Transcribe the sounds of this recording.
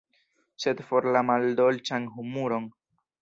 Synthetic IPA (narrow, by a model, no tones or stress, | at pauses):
sed̪foɾlamald̪olt͡ʃaŋɦumuɾoŋ